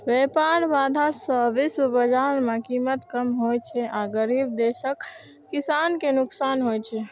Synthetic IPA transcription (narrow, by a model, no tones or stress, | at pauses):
ʋepaɾbad̪ʱasɔbisbəd͡ʒaɾmekimət̪kəmɦojt͡ʃʰɛʔaɡəɾib̚d̪eʃəkː | isankenʊksanɦojt͡ʃʰɛ